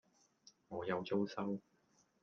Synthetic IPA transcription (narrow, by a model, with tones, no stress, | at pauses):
ŋɔː˨˧jɐ˨˧wt͡so˥wsɐ˥w